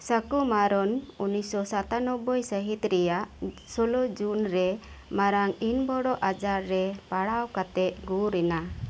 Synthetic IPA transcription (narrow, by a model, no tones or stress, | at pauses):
səkumaɾɔnunisɔsat̪anɔbːɔjsəɦit̪ɾɛjaʔ | sɔlɔd͡ʒunɾɛ | maɾaŋinbɔɽɔʔad͡ʒaɾːɛpaɽawkat̪ɛt̪̚ɡuɾɛna